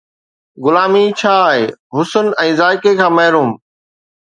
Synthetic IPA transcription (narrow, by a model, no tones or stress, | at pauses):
ɡʊlaːmit͡ɕʰaːɦḛːɦʊsʊnɛ̃ːzaːɪkekʰãːmɐɦɾuːm